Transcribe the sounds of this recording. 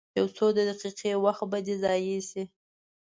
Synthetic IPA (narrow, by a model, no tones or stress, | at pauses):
jawsod̪əd̪aqiqewaxt̪̚bad̪ezɑjisi